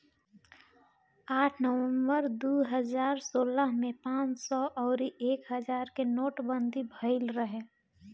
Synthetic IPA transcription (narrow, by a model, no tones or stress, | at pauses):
aːʈʰnəwə̃mbəɾd̪uɦəd͡ʒaːɾsoːləɦmẽpãːt͡ʃsɔʔɔːɾiʔeːkɦəd͡ʒaːɾkenoːʈbənd̪ʱibʱəɪlɾəɦe